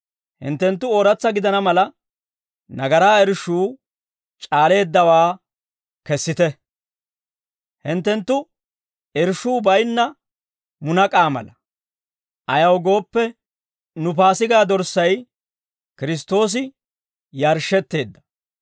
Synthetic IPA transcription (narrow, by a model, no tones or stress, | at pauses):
hɪ̰nt̪ːɛnt̪ːʊoːɾɐt͡sːɐɡɪd̪ɐnɐmɐlɐ | nɐɡɐɾaːɛɾʃuː | t͡ʃʼaːle̞ːd̪ːɐwaː | kɛsːɪt̪ɛ | hɪnt̪ːɛnt̪ːʊ | ɛɾʃuːbɐjnːɐ | mʊnɐkʼaːmɐ̰lɐ | ʔɐjɐwɡo̞ːpːɛ | nʊp̬aːsɪɡaːd̪ɔɾsːɐj | kɪɾɪs̬t̪ːo̞ːs̬ɪ | jɐɾʃːɛt̪ːe̞ːd̪ːɐ̥